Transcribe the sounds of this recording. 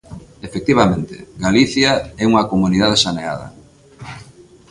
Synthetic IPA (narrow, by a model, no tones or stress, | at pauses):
efek̚t̪iβamẽnt̪ḛɡaliθjaɛuŋɐkomunið̞aðeʃanea̰ðɐ̰